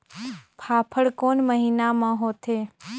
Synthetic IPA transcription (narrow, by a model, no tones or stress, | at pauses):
pʰaːpʰəɽkoːnməɦiːnamãɦoːt̪ʰeː